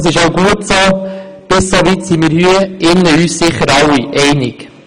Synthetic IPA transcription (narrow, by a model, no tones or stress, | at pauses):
sɪʃoʊɡuətsob̥ɪssovit̪simiːɾhyəɪnːəyːssɪχəɾɑwiʔɛɪnik